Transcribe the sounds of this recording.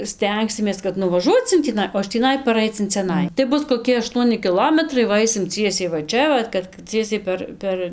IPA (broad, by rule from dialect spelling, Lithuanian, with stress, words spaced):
ˈsʲtʲɛŋksʲɪmʲeːs kɐt nʊʋɐˈʒuɔt͡s ɪn tʲiːˈnɐɪ oː ɪʃ tʲiːˈnɐɪ pɐˈrɐɪt͡s ɪn t͡sʲɛˈnɐɪ tɐɪ ˈbʊs koːˈkʲɪ ɐˈʃtuɔnʲɪ kʲɪˈlˠoːmʲɛtrɐɪ ˈʋɐ ˈɐɪsʲɪm ˈt͡sʲiɛsʲɛɪ ʋɐ ˈt͡ʃʲɛ ˈʋɐt kɐt ˈt͡sʲiɛsʲɛɪ pʲɛr ˈpʲɛr